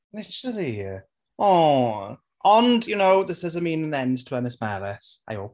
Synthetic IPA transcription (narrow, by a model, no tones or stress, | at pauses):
lɪʃəli | ɔ | ʔə̃njənoʊðɪsəzəmĩːnə̃nɛ̃ndtʰəɛnɪsmɛlɪsa̰ɪɔː